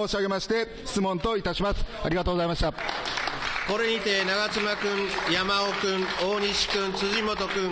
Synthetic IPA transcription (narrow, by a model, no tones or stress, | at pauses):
oːɕiaɡe̞maɕi̥t̪e̞ | çi̥t͡sɨmõ̞nt̪o̞it̪aɕimasɨ̥a̰ɾʲiɡat̪oːɡzaimaɕi̥t̪a | ko̞ɾe̞ɲʲit̪e̞naɡat͡sɨmakɯ̃ŋjamaokɯ̃ɴoːɲʲiɕi̥kɯ̃nt͡sɨzimot̪okɯ̟̃